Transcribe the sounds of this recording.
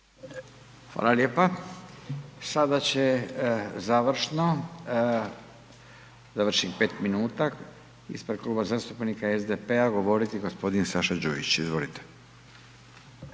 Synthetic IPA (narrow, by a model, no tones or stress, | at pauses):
xʋa̰ːlaljeːpa | sad̪at͡ɕe̞ | zaʋrɾ̩ʃno | zaʋrʃipe̞ːt̪minuːt̪a | ḭspɾed̪̚klˠuːbazaːst̪upnikaezd̪epe̞aɡo̞ʋo̞ɾit̪iɡospo̞d̪insaʃad͡ʑṵḭt͡ɕizʋo̰lit̪e̥